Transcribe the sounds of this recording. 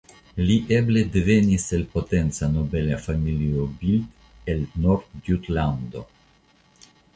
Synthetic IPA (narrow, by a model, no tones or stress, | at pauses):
liʔebled̪eveniselpot̪ent̪sanobelafamiliobild̪ | elnoɾd̪d̪jut̪land̪o̰